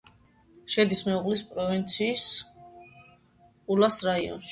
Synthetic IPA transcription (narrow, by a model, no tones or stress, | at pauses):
ʃɛd̪ismɛuʁlispʼɾɔvint̪sʰiːs | ulasɾaiɔ̰nʃ